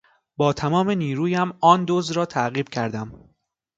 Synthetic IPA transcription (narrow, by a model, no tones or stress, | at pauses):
bɒːt̪ʰæmɒːmeniːɾuːjæmɒːnd̪ozɾɒːt̪ʰæɣiːb̥cʰæɾd̪æm